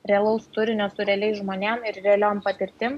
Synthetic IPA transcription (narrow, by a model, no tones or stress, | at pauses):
ɾʲɛlˠɐʊst̪ʊɾʲɪnʲoːsʊɾʲɛlʲɛɪʒmoːnʲɛmɪɾɾʲɛlʲoːmpɐt̪ʲɪɾʲt̪ʲɪm